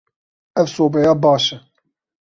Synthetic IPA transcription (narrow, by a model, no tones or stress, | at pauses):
ɛvsoːbɛjaːbɑːʃɛ